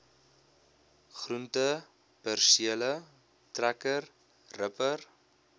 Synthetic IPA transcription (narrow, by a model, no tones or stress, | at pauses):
χruntə | pərsiələ | trækər | rəpər